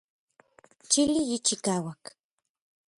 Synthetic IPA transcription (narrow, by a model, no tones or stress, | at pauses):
t͡ʃɪlɪjɪt͡ʃɪkawak